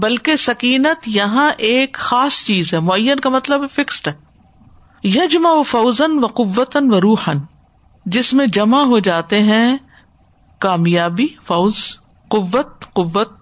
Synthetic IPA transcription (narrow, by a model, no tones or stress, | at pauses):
bɐlkesɐkiːnət̪jɐɦãʔeːkxaːst͡ʃiːzɦɛmʊəjːənkamɐt̪ləbɦɛfɪksʈɦɛː | jɐd͡ʒmaofɐʊzənʋɐqʊʋːət̪ənʋɐɾuːħən | d͡ʒɪsmẽd͡ʒɐmaɦod͡ʒaːt̪eɦɛ̃ | kaːmjaːbifɐʊz | qʊʋːət̪̚qʊʋːət̪̚